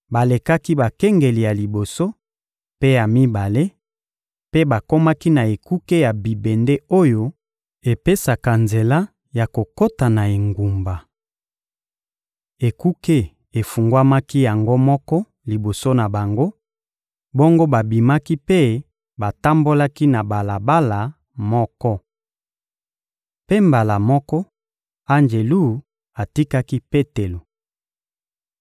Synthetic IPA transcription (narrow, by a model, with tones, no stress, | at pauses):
ba˨le˨ka˦ki˦ba˨kɛ˦ŋɡe˨li˨ja˨li˨bo˨so˦ | pe˦ja˨mi˦ba˨le˦ | pe˦ba˨ko˦ma˦ki˦na˨e˨ku˦ke˦ja˨bi˨be˨nde˦o˦jo˦ | e˨pe˦sa˨ka˨nze˨la˦ | ja˨ko˨ko˦ta˨na˨e˨ŋɡu˨mba˨ | e˨ku˦ke˦ | e˨fu˨ŋɡwa˦ma˦ki˦ja˨ŋɡo˦mɔ˦kɔ˦ | li˨bo˨so˦na˨ba˨ŋɡo˦ | bo˦ŋɡo˦ba˨bi˨ma˦ki˦pe˦ | ba˨ta˦mbo˦la˦ki˦na˨ba˨la˨ba˦la˨ | mɔ˦kɔ˦ | pe˦mba˨la˨mɔ˦kɔ˦ | a˦nd͡ʒe˨lu˦˨ | a˨ti˦ka˦ki˦pe˦te˨lo˨